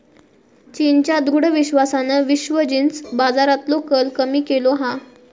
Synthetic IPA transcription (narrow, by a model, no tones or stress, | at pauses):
t͡ɕint͡ɕjad̪ʱuɽəʋiɕʋasanəʋiɕʋəd͡ʑint͡sbad͡zaɾat̪lokəlkəmiːkeloɦã